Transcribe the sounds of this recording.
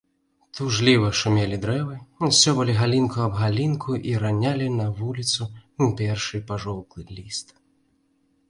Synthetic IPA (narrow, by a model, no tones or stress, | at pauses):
t̪uʐlʲivɐʂumʲɛlʲid̪ɾɛvɨuwsʲɔbɨlʲiɣalʲinkuɐbɣalʲinkʰuʔiɾanʲalʲinɐvulʲit̪suupʲɛrʂɨpaʐɔw̪klˠɨlʲist̪